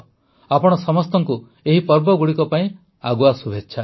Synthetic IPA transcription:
apɔɽ̃ɔsɔmɔst̪ɔŋku | eɦipɔɾbɔɡuɽikɔpaĩ | aɡuasubʱetːʃʰa

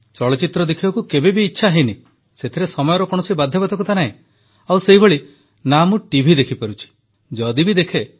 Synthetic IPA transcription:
t͡ʃɔɭɔt͡ʃit̪ɾɔd̪ekʰibakukebebiːtːʃʰaɦejni | set̪ʰiɾesɔmɔjɔɾɔkɔɽ̃ɔsibad̪ʱːjɔbad̪ʰɔkut̪anaɦẽ | awseɦiboɭi | namuʈibʱid̪ekʰipaɾut͡ʃʰi̥ | d͡ʒɔd̪ibid̪ekʰe

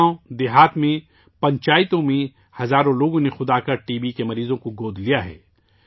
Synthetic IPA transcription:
õd̪ɪɦaːt̪mẽ | pɐ̃ɲt͡ʃaːɪt̪õmẽ | hɐzaːɾõloːɡõnexʊd̪aːkɐʈiːbikemɐɾiːzõkoɡoːd̪ʱlijaɦɛ̰ː

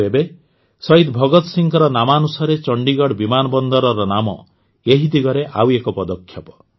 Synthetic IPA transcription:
ebe | sɔɦit̪bʱɔɡɔt̪ɔsiŋkɔɾɔnamanusɔɾet͡ʃɔɳɖiɡɔɽbimanɔbɔnd̪ɔɾɔɾɔnamɔ̰ | eɦid̪iɡɔɾeʔawekɔpɔd̪ɔkʰːjɔpɔ̥

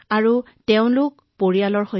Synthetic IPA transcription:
aɹu | tɛʊ̃lʊk | poɹijalɔɹxo

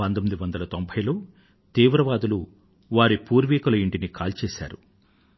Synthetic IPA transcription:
pɐnt̪omid̪iʋɐnd̪ɐlɐt̪ombʱɐjloː | t̪iːʋɾɐʋaːd̪ulu | ʋaːɾipuːɾʋiːkulɐiɳʈinikʰaːlt͡ʃeːsa̰ːɾu

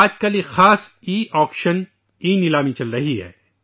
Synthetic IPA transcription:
aːd͡ʒkɐlexaːsiːʔɔːkʃən | iːnɪlaːmĩt͡ʃɐlɾɐɦiɦɛ̰ː

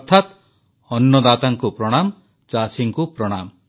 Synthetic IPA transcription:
ɾt̪ʰat̪ | ɔnːɔd̪at̪aŋkupɾɔɽ̃am | t͡ʃasiŋkupɾɔɽ̃am

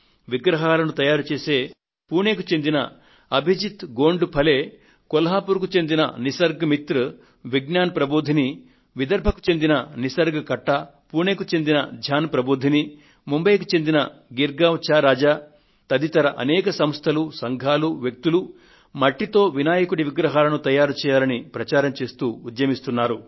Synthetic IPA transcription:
ʋiɡɾɐɦaːlɐnut̪ɐjaːɾut͡ʃeːse̞ː | puːne̞ːkut͡ʃe̞nd̪inɐ̰ | ɐbʱid͡ʒit̪ɡoːɳɖupʰɐle̞ː | kɔlɐɦaːpuɾk̬ut͡ʃe̞nd̪inɐ̰nisɐɾɡɐmit̪ɾɨ | ʋiɡnaːnpɾɐboːd̪ʱini | ʋid̪ɐɾbʱɐku̥t͡ʃe̞nd̪inɐnisɐɾɡɐkɐʈːɐ | puːneːkut͡ʃe̞nd̪inɐ̰d͡ʒʱaːnpɾɐboːd̪ʱini | mumbɐjkut͡ʃe̞nd̪inɐɡiɾɡaːʋt͡ʃaːɾaːd͡ʒaː | t̪ɐd̪it̪ɐɾɐʔɐnɛːkɐsɐmst̪ʰɐlusɐŋɡʱaːluʋjɐk̚t̪ulu | mɐʈːit̪o̞ːʋinaːjɐkuɽiʋiɡɾɐɦaːlɐnut̪ɐjaːɾut͡ʃɛːjaːlɐnipɾɐt͡ʃaːɾɐmt͡ʃe̞ːst̪uːd̪jɐmist̪unːaːɾu

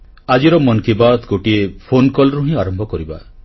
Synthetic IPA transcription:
ad͡ʒiɾɔmɔnkibad̪ɡoʈiepʰonkɔlɔɾuɦĩaɾɔmbʱɔkɔɾiba̰

